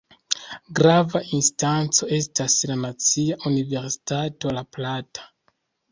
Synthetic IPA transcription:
ɡɾavaʔinstant͡so̞e̞staslanat͡siaʔunive̞ɾsi̥tato̞laplatḁ

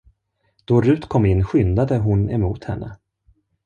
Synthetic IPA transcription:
d̪̥ɔɾʉ̟ːt̪kʰɔmːɪnːɧʏnd̪ad̪əɦʊnɛmuːt̪hɛnːʔə̰

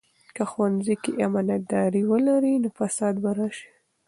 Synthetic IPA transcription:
kaxwanzikeʔamɑnat̪̚d̪ɑɾiwəlaɾinofasɑd̪baɾaʃi̥

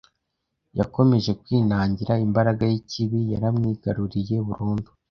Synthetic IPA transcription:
jako̞me̞ʒe̞kwiːnaːɲɟiɾaimbaɾaɡajiciβijaɾamŋiːɡaɾuɾije̞βuɾuːndu̥

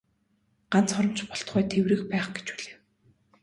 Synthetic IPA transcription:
ɢ̥an̥t͡sχɔɾɞ̆mt͡ɕpɔɬt̪χæːt̪ʰewrɘ̆xpæːχɡe̥t͡ɕpuɮeː

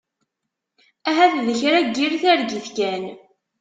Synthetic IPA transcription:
æɦæθðəçɾæɡːiɾθæɾɡiθkæn

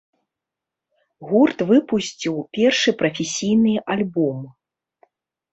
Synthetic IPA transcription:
ɣurt̪vɨpusʲt͡sʲiwpʲɛrʂɨpɾɐfʲesʲijnɨʔalʲbɔm

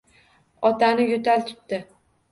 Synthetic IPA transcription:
ɒt̪ʰanɪjʊt̪ʰalt̪ʰʊ̥t̪̚t̪ɪ

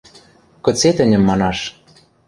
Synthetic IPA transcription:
kɤ̆t͡set̪ɘ̆nʲɘ̆mːɑnɑʃ

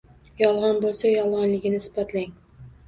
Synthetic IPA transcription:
jɒlˠʁɒnbolˠsajɒlˠʁɑnlɪɡʲɪnɪsɪ̥bat̪ʰlaŋ

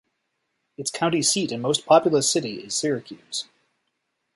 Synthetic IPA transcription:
ɨtskʰãʊ̃ntisiɾɨ̃nmoʊspʰɑpjl̩ˠə˞sɪɾiɪ̰z̥sɪɹɨkʰjʉz̥

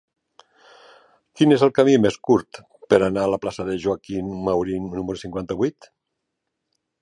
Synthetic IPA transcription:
kinezəlˠkamimeskuɾt̪ | pəɾanaːlaplasəðeʒuakinmawɾinːuməɾusiŋkwant̪əβuijt̪

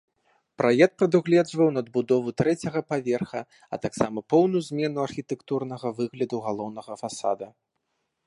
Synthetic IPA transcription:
pɾajɛkt̪̚pɾɐd̪uɣlʲɛd͡ʐvɐwnɐd̪̚bud̪ɔvut̪ɾɛt͡sʲɐɣɐpavʲɛrxɐ | ɐ̰t̪aksamɐpɔwnujuzʲmʲɛnuɐrxʲit̪ɛkt̪urnɐɣɐvɨɣlʲɐd̪uɣalˠɔwn̪ɐɣɐfasa̰d̪ɐ

